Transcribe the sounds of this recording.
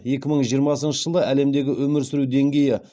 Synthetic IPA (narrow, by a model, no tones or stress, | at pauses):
je̞kʲɪməɴʒijəɾmɑsənʃəʒəlˠəʔæle̞md̪e̞ɡʲɪwʔɵmɪɾsɪɾud̪e̞ŋɡʲe̞jɪ